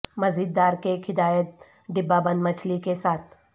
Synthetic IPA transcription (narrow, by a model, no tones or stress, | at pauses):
mɐzid̪ːaːɾkekhɪd̪aːjət̪̚ | ɖɪbːabɐ̃nd̪mɐt͡ʃʰlikesaːt̪̚ʰ